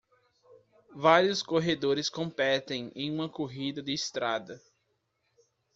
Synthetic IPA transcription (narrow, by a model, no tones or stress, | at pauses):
vaɾiʊskoɦed̪oɾɪskõmpɛt̪ẽj̃ḛ̃j̃ũmɐkoɦid̪ɐd̪ɪːst̪ɾad̪ɐ